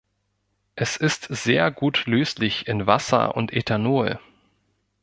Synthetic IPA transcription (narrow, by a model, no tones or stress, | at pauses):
ʔɛsɪstz̥eːɐɡuːtløːslɪçɪnvasɐ̰ʊ̰ntʰetʰanoː